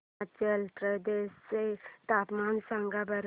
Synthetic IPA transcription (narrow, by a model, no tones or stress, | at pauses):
t͡ʃəltɾəd̪eset̪apmansaŋɡabəɾ